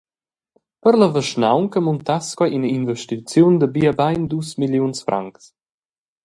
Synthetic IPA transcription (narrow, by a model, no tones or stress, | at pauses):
pəɾləvəʃnawnkəmunt̪askwajinəinvɛʃtit͡sjund̪əbiːəbajnd̪usmiljunsfɾʔa̰ŋks